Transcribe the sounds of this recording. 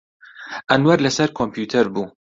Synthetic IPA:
ʔɐnwɐɾlɐsɐɾkʰompʰjuːt̪ʰɐɾbuː

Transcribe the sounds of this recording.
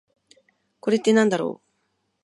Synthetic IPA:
ko̞ɾet̪ːe̞nãnd̪aɾo̰ː

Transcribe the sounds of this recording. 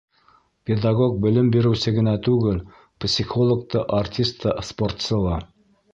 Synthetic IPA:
pʲɪd̪aɡok̚bɘ̆lɘmbiɾɘ̆wsɘɡɘ̆næt̪ʉɡɘl | psʲixolˠok̚t̪ɤʔartʲist̪ɤspo̞rt̪sɤ̆lˠɑ

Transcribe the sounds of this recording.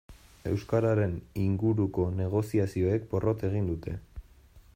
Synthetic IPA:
e̞̰wskaɾaɾe̞niŋɡuɾuko̞ne̞ɣ̞o̞siasio̞e̞k̚po̞rʔo̞t̪e̞ɣ̞ind̪ut̪e̞

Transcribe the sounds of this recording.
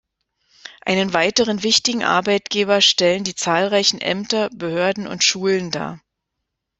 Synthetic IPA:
ʔa̰ɪnənvaɪtəʁənvɪçtɪɡŋ̩ʔa̰ɐbaɪtɡ̥eːbɐʃtɛləndiːt͡saːlʁaɪçn̩ʔɛ̰mtɐbəhøːɐdn̩ʊ̰ntʃuːlənda̰ː

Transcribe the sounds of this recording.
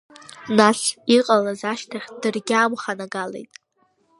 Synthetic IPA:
nasiqʼalazaʃtʰaχʲd̥ɨrɡʲaːmχanaɡalḛjtʼ

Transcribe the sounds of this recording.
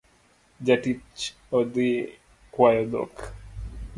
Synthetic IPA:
d͡ʒaʈit͡ʃ | ɔd̪i | kwajɔd̪ɔ̰k

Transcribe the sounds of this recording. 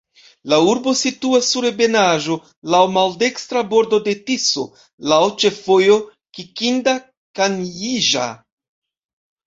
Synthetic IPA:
lauɾbo̞situasːuɾebe̞naʒo̞ | lawmalde̞kstɾabo̞ɾdo̞de̞tiso̞̰ | lawt͡ʃe̞fo̞jo̞ | kikinda | kanjiʒa̰

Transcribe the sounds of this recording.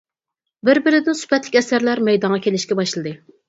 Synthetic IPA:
bɪɾbɪɾɪd̪ɪnsy̥pɛt̪lɪkʲɛsæɾlæɾmɛjd̪ɑŋʁɑkʲʰelɪʃkʲɛbɑʃlˠɨd̪ɨ

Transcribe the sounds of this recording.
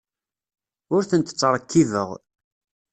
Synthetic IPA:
ʊɾθənt̪ə̥t͡sˤːəɾˤəkʰːiðə̰ʁ

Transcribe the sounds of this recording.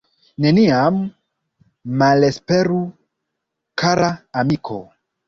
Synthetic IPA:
neniam | alespeɾu | kʰaɾʔaːmikʰo̰

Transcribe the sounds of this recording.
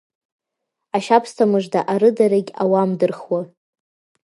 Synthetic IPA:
aʃapʰstʰamɨʐdaʔaɾɨdaɾaɡʲawamdɨrχwa

